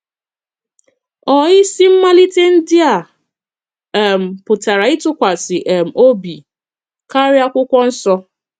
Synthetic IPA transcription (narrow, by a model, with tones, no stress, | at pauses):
ɔ˨ɪ˦si˦m̩˦ma˦li˦te˦n̩˦dɪ˦a˨ | ɛ˨m̩˨pʊ˨ta˨ɾa˨ɪ˦tʊ˦kʷa˨sɪ˨ʔɛ˨m̩˨o˦bi˨ | ka˦ɾja˦kʷʊ˦kʷɔ˦n̩˦sɔ˦